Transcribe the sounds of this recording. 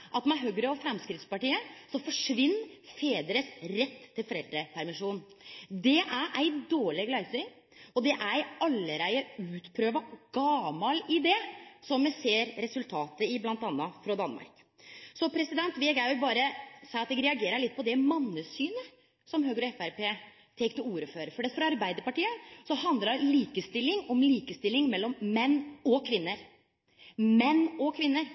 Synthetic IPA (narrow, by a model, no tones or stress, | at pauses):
ʔɑt̪mɛɦøːɡɾəɔfɾɛmskɾɪt̪spɑʈiːəsɔfɔʂʋɪnːfeːd̪ɾəsɾɛt̪ʰːɪlfɔɾɛld̪ɾəpʰæɾmɪʂuːnd̪ɛʔæɾʔæɪd̪oːɭɪɡlæɪsə | ɔd̪ɛʔæɑlːəɾæɪəʉːt̪pʰɾøːʋɑɡ̥ɑmɑlɪd̪ɛsɔmːɛseːɾɾɛsʉlt̪ʰɑːt̪əɪblɑnt̪ɑnːɑfɾɑd̪ɑnmɑ̰ɾk | sɔpʰɾɛsɪd̪ɛnt̪ʋɪɡæbɑːɾəsɛɑt̪d̪ɛɡɾɛɑɡeːɾəɾɭɪt̪̚ːpʰɔd̪ɛmɑnːəsyːnə | sɔmɦøːɡəɾɔɛfæɾpeː | t̪ʰɛŋkt̪ɔuːɾəføːɾəfɔɖɛt̪fɾɑɑɾbæɪd̪əɾpɑʈiːəsɔhɑnd̪lɑliːkəst̪ɪlːɪŋɔmliːkəst̪ɪlːɪŋmɛlːɔmmɛnːɔkʰʋɪnːəɾ | mɛnːɔkʰʋɪnːəɾ